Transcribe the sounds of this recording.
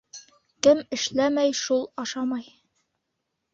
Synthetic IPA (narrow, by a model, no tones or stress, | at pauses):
kɘmɘ̆ʃlæmæjʃulˠɑʃɑmɑj